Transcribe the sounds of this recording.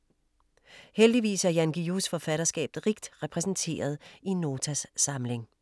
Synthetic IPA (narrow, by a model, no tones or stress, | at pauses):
held̥iʋḭːsæɐjænɡ̥iusfɒ̽fæɾ̥ɐsɡ̥ɛ̰ːb̥ð̩ˠʁiɡ̥̚d̥ʁɛpʰʁɛsn̩t͡sʰe̝̰ːɐð̞ˠinːo̝ːt͡sʰæsːɑ̈mle̝ŋ